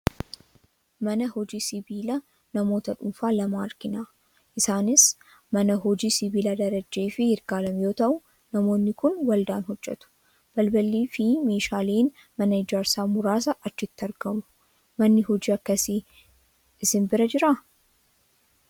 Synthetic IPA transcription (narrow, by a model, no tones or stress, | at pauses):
mɐnɐhɔd͡ʒiːsɪbiːlɐ | nɐmo̞ːt̪ɐᶑʊmfaːlɐmaːɐɾɡɪnaː | ʔɪsaːnɪs | mɐnɐɦɔd͡ʒiːsɪbiːlɐd̪ɐɾɐd͡ʒe̞ːfɪhɪɾɡaːlɐmjoːt̪ɐʔʊ | nɐmo̞ːnːɪkʊnwɐld̪aːnɦɔd͡ʒːɛ̰t̪ʊ̥ | b̥ɐlbɐlːiːfɪme̞ːʃaːleːn | mɐnɐɪd͡ʒaːɾsaːmʊɾaːs̬ɐʔɐt͡ʃːɪt̪ːɐɾɡɐmʊ̥ | mɐnːɪɦɔd͡ʒiːɐkːɐsiː | ʔɪsɪnbɪɾɐd͡ʒɪɾa